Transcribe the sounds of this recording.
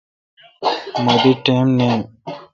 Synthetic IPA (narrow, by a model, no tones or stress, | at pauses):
mɐd̪iʈeːmneːm